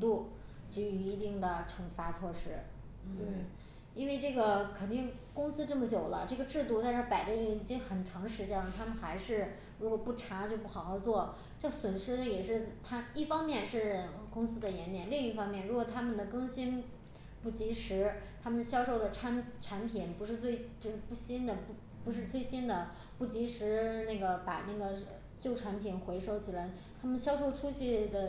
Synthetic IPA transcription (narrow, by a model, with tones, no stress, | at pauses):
t̪u˥˩ | t͡ɕy˧˥y˧˩i˧˥t̪i˥˩ŋd̪ə˩ʈ͡ʂʰɤ˧˥ŋfa˧˥t͡sʰwɔ˥˩ʂɻ̩˥ | t̪we˥˩ | i˥nwe˥˧ɪʈ͡ʂɤ˥˩ɡə˩kʰə˨˩nt̪i˥˩ŋ | kʊ˥ŋsɹ̩˥ʈ͡ʂɤ˥˩mə˩t͡ɕjo˨˩ʊlə̰˦ʈ͡ʂɤ˥˩ɡə˩ʈ͡ʂɻ̩˥˧t̪u˥˧t̪a˥˧nʂɻ̩˥˩pa˨˩ɪʈ͡ʂə˥˩i˥˩i˨˩t͡ɕi˥ŋxə˨˩nʈ͡ʂʰɑ˧˥ŋʂɻ̩˧˥t͡ɕjɛ˥nə˨t̪ʰa˥mə˨nxa˧˥ɪʂɻ̩˥˩ | ɻu˧˥kwɔ˨˩pu˥˩ʈ͡ʂʰa˧˥˧t͡ɕjo˥˧ʊpu˥˩xɑ˨˩xɑ˥˧ʊt͡swɔ˥˩ | t͡ɕɤ˥˩swə˨˩nʂɻ̩˥d̪ə˨jɛ˨˩ʂɻ̩˥˩t̪ʰa˥i˥˩fɑ˥ŋmjɛ˥˧nʂɻ̩˥˩˧kʊ˥ŋsɹ̩˥d̪ə˨jɛ˧˥nmjɛ˥˩nli˥˧ŋi˥˩fɑ˥ŋmjɛ˥˩nɻu˧˥kwɔ˨˩t̪ʰa˥mə˨nd̪ə˩kɤ˥ŋɕi˥n | pu˥˩t͡ɕi˧˥ʂɻ̩˧˥t̪ʰa˥mə˨nɕjɑ˥ʊʂo˥˩ʊd̪ə˩ʈ͡ʂʰa˧˥nʈ͡ʂʰa˧˥npʰi˨˩npu˧˥ʂɻ̩˥˧t͡swe˥˩ɪt͡ɕjo˥˧ʊʂɻ̩˥˧pu˥˩ɕi˥nd̪ə˨p | pu˧˥ʂ̬ɻ̩˥˧t͡swe˥˩ɪɕi˥nd̪ə˨ | pu˥˩t͡ɕi˧˥ʂɻ̩˧˥na˥˩ɡə˩pa˨˩na˥˩ɡə˩ | t͡ɕjo˥˩ʊʈ͡ʂʰa˧˥npʰi˨˩nxwe˧˥ɪʂo˥ʊt͡ɕʰi˨˩la˧˥ɪ | t̪ʰa˥mə˨nɕjɑ˥ʊʂo˥˧ʊʈ͡ʂʰu˥t͡ɕʰy˥˩d̪ə˩